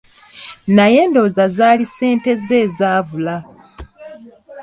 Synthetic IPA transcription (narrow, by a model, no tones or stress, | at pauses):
naje̞ːndo̞ːzazaːlise̞ːnte̞ze̞ːzaːvula